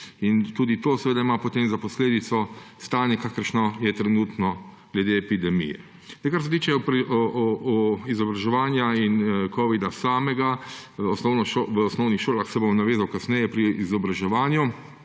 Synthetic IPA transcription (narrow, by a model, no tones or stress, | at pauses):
int̪uːd̪it̪oːsɛʋeːd̪aimapɔt̪eːmzapɔsleːd̪it̪sɔst̪aːnjɛkaːkəɾʃnɔjɛt̪ɾɛnuːt̪nɔ | ɡ̥lɛd̪eɛpid̪ɛmḭjɛ̰ | ɛkaɾs̬ɛt̪iːt͡ʃɛp | izɔbɾaʒɛʋaːnjainkoːʋid̪asaːmɛɡaɔsnɔwnɔʃoʋəɔsnɔwnixʃoːlaxsɛbomnaʋeːzawkasnɛjɛpɾiizɔbɾaʒɛʋaːnju